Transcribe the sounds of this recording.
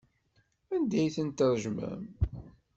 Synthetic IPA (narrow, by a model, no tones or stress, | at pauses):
ænd̪æjθənt̪əɾˤʒmæ̰m